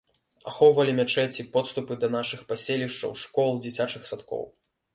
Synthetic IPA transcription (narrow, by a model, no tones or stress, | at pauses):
a̰xɔwvɐlʲimʲat͡ʂɛt͡sʲipɔt̪st̪upɨd̪ɐnaʂɨxpasʲelʲiʂt͡ʂɐ̰wʂkɔlˠd͡zʲit͡sʲat͡ʂɨxsat̪kɔ̰w